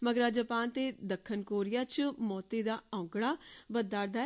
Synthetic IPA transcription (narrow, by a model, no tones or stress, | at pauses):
məɡɾaːd͡ʒəpaːnt̪eːd̪əkʰːənkoːɾɪjaːt͡ʃmɔːt̪eːd̪aːãʊɡɽaːbəd̪aːɾd̪aː